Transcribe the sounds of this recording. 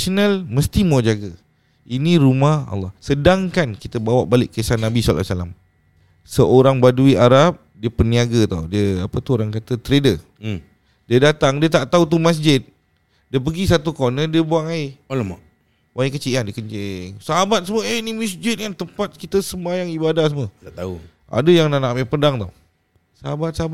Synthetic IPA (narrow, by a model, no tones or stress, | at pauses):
sonalməst̪imod͡ʒaɡa | inĩɾumahɑ̰lːɑhsədaŋkankit̪əbawaʔbalɪʔkːəsanabislːa̰sala̰m | səʔoɾaŋbaduiaɾap̚diəpərniaɡat̪a̰wdiəapət̪uoɾaŋkat̪ət̪ɾedə | diədat̪aŋdiət̪aʔt̪aut̪umas̬d͡ʒɪt̪̚ | diəp̬əɡis̬at̪ukonədiəbuaŋaɪolma | waikət͡ʃiʔandiəkəɲt͡ʃɪŋsaɦabat̪̚səməenimisd͡ʒɪt̪̚jaŋt̪əmpat̪̚kit̪əsəmbajaŋibadahs̬əməat̪au | a̰dəjaŋnanaʔpapədaŋt̪aw | səɦabat̪̚saɦaba